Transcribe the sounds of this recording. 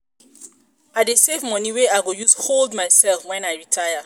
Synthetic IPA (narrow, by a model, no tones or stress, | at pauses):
adesevmɔniweaɪɡojusholdmaɪsɛlfwɛ̃najɹitʰajə